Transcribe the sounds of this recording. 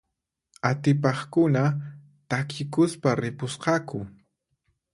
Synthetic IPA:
at̪ɪpɑχkʊna | t̪akʰɪkʊspaɾɪpʊsqɑkʊ

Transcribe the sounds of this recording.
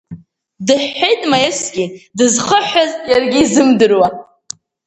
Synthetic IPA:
dɨħːejtʼmajesɡʲidɨzχəħazjarɡʲiːzɨmdɨrwa

